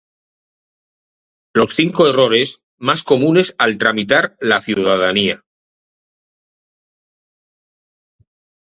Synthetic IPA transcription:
lo̞sθiŋko̞ero̞ɾe̞s | masko̞mũne̞salt̪ɾamit̪aɾlaθjuð̞að̞ania

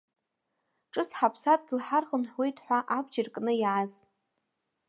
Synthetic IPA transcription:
ʈ͡ʂʼɨsħapʰsatʼɡʲɪlħarχənħʷwe̞jtʰʼħʷaʔabd͡ʒɪrkʼnɨjaz

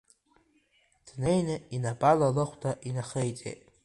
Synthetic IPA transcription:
d̥nejnɨinabʼalalɨχʷdʰʼaʔinaχejt͡sʼḛjtʼ

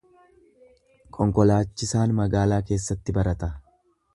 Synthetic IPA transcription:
kʼɔŋkɔlaːt͡ʃːɪsaːnmɐɡaːlaːke̞ːsːɐt̪ːɪbɐɾɐt̪ɐ

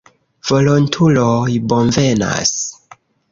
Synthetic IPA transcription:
v̥o̞lontʰuloibonve̞na̰s

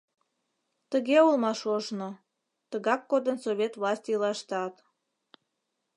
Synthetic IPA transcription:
t̪əɣeulmɑʃoʒno | t̪əɣɑkːod̪ənsoβʲet̪vlɑsʲt̪ʲilɑʃt̪ɑt̪

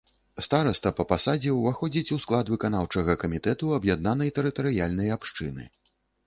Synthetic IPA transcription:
st̪aɾɐst̪ɐpɐpasad͡zʲɛwvaxɔd͡zʲit͡sʲusklˠad̪vɨkanawt͡ʂɐɣɐkɐmʲit̪ɛt̪uɐbjad̪̚nanɐjt̪ɛɾɨt̪ɐɾɨjalʲnɐjapʂt͡ʂɨ̰nɨ̰

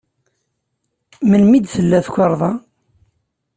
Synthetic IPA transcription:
məlmid̪θəlːæθkʷːɑɾˤðˤɑ

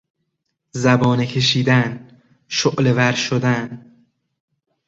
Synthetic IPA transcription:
zæbɒːnecʰe̞ʃiːd̪æn | ʃoʔlevæɾʃod̪æn

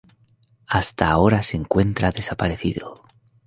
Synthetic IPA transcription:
ast̪aːo̞ɾase̞ŋkwe̞nt̪ɾaðe̞sapaɾe̞θḭðo

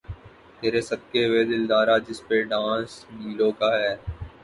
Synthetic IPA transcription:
t̪eːɾeːsəb̚keːʋeːd̪ɪld̪aːɾaːd͡ʒɪspeɖãːsniːlõːkaːɦɛː

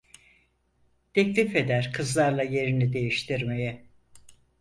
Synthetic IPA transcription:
t̪ʰɛclʲife̞d̪æɾkʰɯzlˠaɾlˠaje̞ɾinid̪e̞jiʃt̪ʰiɾmejɛ

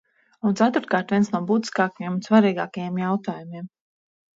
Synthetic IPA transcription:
unt̪sat̪uɾt̪̚kaːɾt̪vʲiɛnsnuɔbuːt̪i̥skaːkajemunsvaɾiːɡaːkajemjawt̪aːjumiɛm

